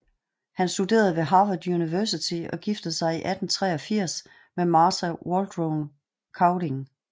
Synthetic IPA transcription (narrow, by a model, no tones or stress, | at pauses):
hænsd̥ude̝̰ːɐð̞̩ˠʋe̝ɦɑ̈ːʋɐd̥juniʋœsit͡sʰiɒ̽ɡ̥ifd̥ð̩ˠsɑ̈ɪiʔæd̥n̩t͡sʰʁɛ̰ːɒ̽fiɐ̰s | memɑːsæwɒːld̥ʁoʊn | kʰɑ̈ʊde̝ŋ